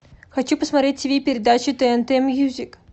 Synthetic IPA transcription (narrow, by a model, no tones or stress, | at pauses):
xɐt͡ɕupəsmɐt̪ɾʲet̚ʲsʲbʲejpʲɪɾʲɪd̪at͡ɕɪt̪ɛɛnt̪ɛɛmjuzʲik